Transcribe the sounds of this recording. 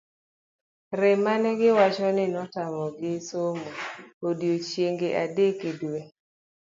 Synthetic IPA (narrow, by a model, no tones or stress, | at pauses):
ɾɛmanɛɡɪwat͡ʃɔnɪnɔtamɔɡɪsomoodjot͡ʃjeŋɡeʔadekeduwe